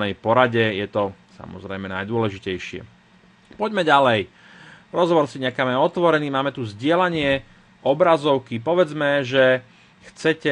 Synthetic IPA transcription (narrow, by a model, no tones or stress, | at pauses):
nɛjpɔɾaɟɛjɛt̪ɔsa̰mɔ̰zɾɛjmɛnajd̪ʊɔlɛʒicɛjʃɪɛ̰ | pɔɟmɛɟalɛj | ɾɔzɦɔʋɔɾsiɲɛkaːmɛɔt̪ʋɔɾɛniːmaːmɛt̪uzɟɪɛlaɲɪɛ | ʔɔbɾazɔʊkip̬ɔʋɛd͡zmɛʒɛ | xt͡sɛcɛ